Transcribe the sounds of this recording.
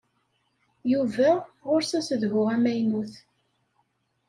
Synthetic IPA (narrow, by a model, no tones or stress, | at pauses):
juvæʁʊɾsæsəðɣʊʁæmæjnuθ